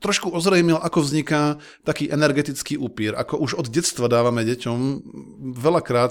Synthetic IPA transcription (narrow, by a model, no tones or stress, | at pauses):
t̪ɾɔʃkuɔzɾɛjmilʔakɔvzɲika | t̪akiːʔɛnɛɾɡɛt̪it͡skiːʔupiːɾa̰kɔʔuʒɔd̪ɟɛt͡st̪ʋad̪aːʋamɛɟɛcɔm | ʋɛlakɾaːt̪